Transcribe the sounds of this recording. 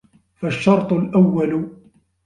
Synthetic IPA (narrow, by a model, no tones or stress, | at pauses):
faʃːɑɾˤt̪ˤʊlʔawːalʊ